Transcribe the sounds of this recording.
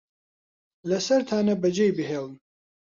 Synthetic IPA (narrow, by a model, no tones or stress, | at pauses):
lɐsɐɾt̪ʰaːnɐbɐd͡ʒejbɨɦeːln